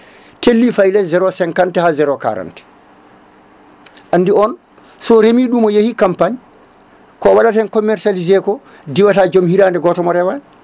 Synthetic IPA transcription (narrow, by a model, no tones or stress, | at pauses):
telːifajlɛzɛɾɔsɛŋkantɛhazɛɾɔka̰ɾa̰ntɛ̥ | ʔandiɔn | sɔɾemiɗumɔjehikampaɲ | kɔwaɗatɛnkɔmːɛɾsalizɛkɔ | diwatad͡ʒomhiɾaːndɛɡɔtɔmɔɾɛwan